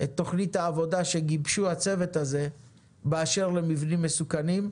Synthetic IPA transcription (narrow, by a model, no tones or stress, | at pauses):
ʔet̪ːo̞χnithaːvo̞daʃe̞ɡibʃuhat͡se̞ve̞t̪aze̞ | beaʃe̞ʁle̞mivnimːesukanim